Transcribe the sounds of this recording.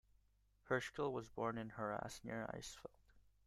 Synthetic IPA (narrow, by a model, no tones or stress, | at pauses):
hə˞skɪlˠwʌzbɔɹnɨ̃nhə˞æ̰snɪ̰ɹa̰ɪsfilˠd̥